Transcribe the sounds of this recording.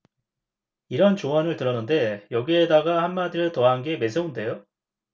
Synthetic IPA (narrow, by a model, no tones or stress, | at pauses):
iɾʌnt͡ɕoʌnɯɭtɯɾʌnɯnde̞jʌɡiedaɡahanmadiɾɯɭtʌɦanɡe̞me̞s̬ʰeunde̞jo